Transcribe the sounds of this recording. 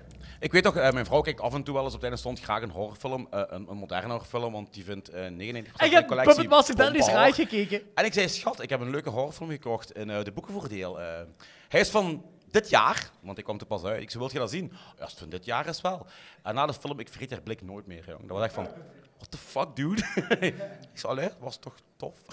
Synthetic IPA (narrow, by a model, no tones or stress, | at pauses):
ʔɪkʋeːtːɔxəːmɛjnvrɔwkɛjk̚tɑvɛntuʋɛlˠəs̬ɔp̚tɛdənstɔntxraːxənɦɔrfɪlˠəməʔənənmodɛ̰rnɔrfɪlˠəmʋɑnt̚divɪntəːneːɣənəneɪntəxpə̥rsɛɛkolɛkpəəimɑsəkdɛnisaəkeːkəɛnɪksɛjsxɑtɪkɦɛpənløːkəɦɔrfɪlˠəmɣəkɔxtɪnəːdəbukəvoːrdeːlˠəː | hɛjɪsfɑn | dɪtjaːrʋɑntɛkʋɑmtupɑsœɥtɪksoʋɪlˠtxədɑzinja̰stfɑndɪtjaːrɪsʋɛlˠɛnːaːdəfɪlˠəmɪkfərithɛrblɪknoːjtmɪ̰ːrjo̰ŋdɑʋɑsɛxktfɑnʋɑt̚d̥əfɑk̚duːt | ɪksletʋɑstɔxtɔf